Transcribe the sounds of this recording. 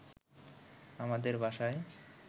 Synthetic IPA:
amad̪eɾbʱaʃae

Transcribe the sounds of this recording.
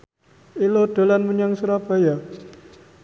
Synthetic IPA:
ilod̥a̤lanməɲaŋsuɾab̥a̤ja

